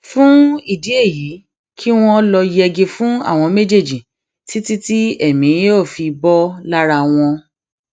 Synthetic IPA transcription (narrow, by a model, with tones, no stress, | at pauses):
fũ˦i˦˨di˨˦e˦˨ji˨˦ | kʰi˦w̃ɔ̃˦lɔ˧jɛ˧ɡe˧fũ˦a̰˦˨w̃ɔ̃˧me˦d͡ʒe˦˨d͡ʒi˨ | ti˦ti˦ti˦ɛ˦˨mĩ˨˦o˦˨fi˧bɔ˦la˦ɾa˧w̃ɔ̃˧